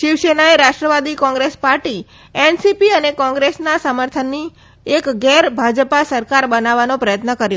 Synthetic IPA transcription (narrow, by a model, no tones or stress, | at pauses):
ʃiʋʃenaeɾaʃʈɾəʋad̪ikɔ̃ŋɡɾespaɾʈi | ɛnsipiənekɔ̃ŋɡɾesnasəməɾt̪ʰənːi | ekɡɛɾbʱad͡ʒpasəɾkaɾbənaʋanõpɾəjət̪nəkəɾjo